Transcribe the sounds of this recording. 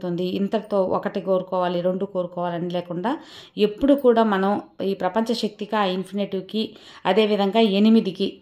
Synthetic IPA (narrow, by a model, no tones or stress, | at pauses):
t̪und̪iːnt̪ɐɾɐt̪o̞ːʔɔ̰kɐʈikoːɾukɔːʋaːliɾe̞ɳɖuko̞ːɾukɔːʋaːlɐnileːkuɳɖaː | e̞pːuɽukuːɽaːmɐnɐmiːpɾɐpɐɲt͡ʃɐʃɐk̚t̪ikiaːinpʰiniʈuki | ɐd̪e̞ːʋid̪ʱɐŋɡaːe̞nimid̪iki